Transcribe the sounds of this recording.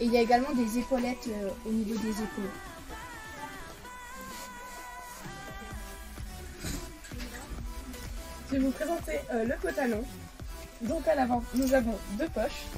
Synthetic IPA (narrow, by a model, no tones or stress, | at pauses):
eiljaeɡalmɑ̃d̪ezepɔlɛt̪øonivod̪ezepɔlɛt̪ | ʒevupχezɑ̃t̪eʔøləpɔt̪alɔ̃ | d̪ɔ̃kalavɑ̃nuzavɔ̃d̪øpɔʃ